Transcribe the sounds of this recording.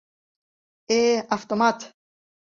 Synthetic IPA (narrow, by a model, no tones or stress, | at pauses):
eaft̪omat̪